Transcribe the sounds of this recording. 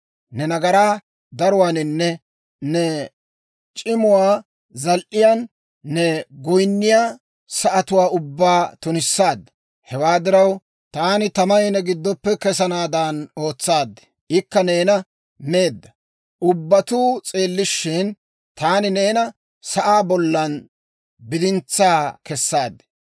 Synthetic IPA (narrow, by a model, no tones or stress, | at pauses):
nɛnɐɡɐɾaː | d̪ɐɾʊwaːnɪnːɛ | nɛ | t͡ʃʼɪmʊwaː | zɐlʔɪjaːnː | ɛɡɔjnːɪjaː | sɐʔɐt̪ʊwaːʊbːaːt̪ʊnɪsːaːd̪ː | hɛwaːd̪ɪɾɐw | t̪aːnɪt̪ɐmɐɪnɛɡɪd̪ːɔpːɛkɛsɐnaːd̪ano̞ːt͡sːaːd̪ːɛ̥ | ɪkːɐne̞ːnɐ | me̞ːd̪ːɐ | ʔʊbːɐt̪uːt͡sʼe̞ːlːɪʃːɪn | t̪aːnɪne̞ːnɐ | sɐʔaːbɔlːɐn | bɪd̪ɪnt͡sːaːkɛsːaːd̪ːɛ̥